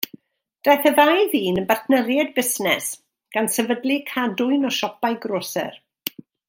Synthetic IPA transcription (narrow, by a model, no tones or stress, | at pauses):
d̥ajθɛðajðiːnəbarθʰnəɾjɛdbɪsnɛs | ɡ̥ansɛvədlˠikʰadʊɨnɔʃɔpajɡroːsɛ̰r